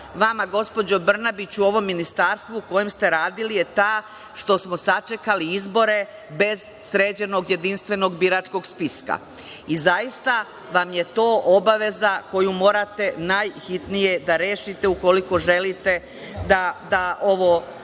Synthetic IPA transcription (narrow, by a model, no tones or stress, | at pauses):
ʋamaɡo̞spo̞d͡ʑo̞br̩nabit͡ɕuo̞ʋo̞mːinist̪aːɾst̪ʋuuko̞jemst̪e̞ɾaːd̪ilije̞t̪aː | ʃt̪o̞smo̞sat͡ʃe̞kaliizbo̞ɾe̞ | be̞z | sɾe̞ːd͡ʑe̞no̞ɡje̞d̪inst̪ʋe̞no̞ɡbiɾaːt͡ʃko̞ɡspiska̰ | izajist̪a | ʋamje̞t̪o̞ːʔo̞baʋe̞zako̞jumo̞ːɾat̪e̞najxit̪nije̞d̪aɾe̞ːʃit̪e̞uko̞liko̞ʒe̞lit̪e̞ | d̪ad̪aʔo̞ʋo